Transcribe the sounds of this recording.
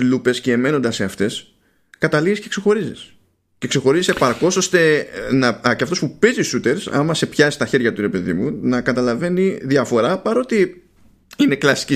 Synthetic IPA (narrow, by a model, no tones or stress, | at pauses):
lupe̞sce̞ːme̞no̞nd̪ɐse̞ɐft̪e̞s | kɐt̪ɐlizisce̞kse̞xo̞ɾizis | ce̞kse̞xo̞ɾizise̞pɐɾko̞so̞st̪e̞nɐceɐft̪o̞spupe̞ziusut̪e̞ɾsɐ̰mɐse̞pçɐsi̥st̪ɐçe̞ɾʝɐt̪uɾe̞pe̞ðḭmunɐkɐt̪ɐlɐve̞niðiɐfo̞ɾɐpɐɾo̞t̪i | ine̞klɐsi̥ci